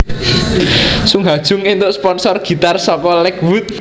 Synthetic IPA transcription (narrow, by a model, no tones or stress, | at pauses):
suŋɦad̥ʒ̥ʊ̤ŋint̪ʊʔspɔnsɔrɡ̥i̤t̪arsɔkɔlɛkwut̪̚